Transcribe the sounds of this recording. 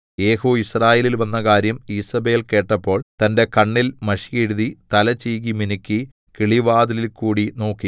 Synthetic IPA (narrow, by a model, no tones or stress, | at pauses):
eːhoːisraːjeːlilʋɐnːɐkaːɾjɐmiːsɐbe̞ːlke̞ːʈːɐpːo̞ːɭt̪ɐnde̞kɐɳːilmɐʂijeɻuðit̪ɐlɐt͡ɕijkiminikʲːi | kiɭiʋaːd̪ɐlilkuːɽino̞ːkːi